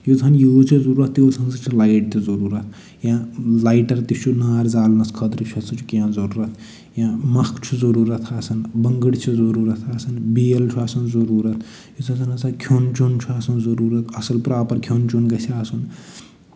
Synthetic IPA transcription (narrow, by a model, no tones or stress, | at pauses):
jod͡zʰɐnjoːt͡ʃʰizɐɾuːɾɐt̪ʰːjoːlt͡sʰɐnsɐt͡ʃʰilajʈ̚t̪izɐɾuːɾɐt̪ʰ | jãːlajʈɐɾt̪it͡ʃʰunaːɾd͡zaːlnɐskʰɐd̪ɾt͡ʃʰɐt͡sʰɐt͡ʃʰu̥kʲjãːzɐɾuːɾɐt̪ʰ | jãmɐkʰt͡ʃʰuzɐɾuːɾɐt̪ʰaːsʰɐnbɐŋɡəɽt͡ʃʰizɐɾuːɾɐt̪ʰaːsɐnbeːlt͡ʃʰuaːsɐnzɐɾuːɾɐt̪ʰ | jot͡sʰɐɐnɐt͡sʰakʰjont͡ʃont͡ʃʰuaːsɐnzɐɾuːɾɐt̪ʰɐsɐlpɾaːpɐɾkʰjont͡ʃonɡɐsʰiaːsʰun